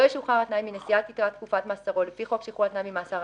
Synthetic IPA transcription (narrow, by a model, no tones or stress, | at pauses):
ojʃuχaʁat̪najmːinesiat̪itʁat̪kufat̪maːsaʁo̞lefiχo̞kʃejiχuat̪najmimaːsaʁ